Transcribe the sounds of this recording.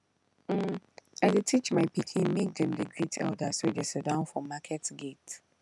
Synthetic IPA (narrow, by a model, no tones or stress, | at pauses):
m̩aɪdɪtʰit͡ʃmaɪpikʰĩnmek̚dɛ̃mdəɡɹitʰɛ̰ldəsodesɛdãʊ̃nfɔmakʰɛtɡet